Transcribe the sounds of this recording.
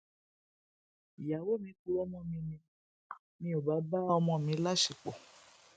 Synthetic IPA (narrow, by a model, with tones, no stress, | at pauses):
i˨ja˨wo˦mĩ˧˦ku˧ɾɔ˧˦mɔ̃˧˦˨mĩ˧nĩ˧ | mĩ˧˦o˨ba˨˦ba˦ɔ˧mɔ̃˧˨mĩ˨˧˦la˦ʃi˨k͡po˨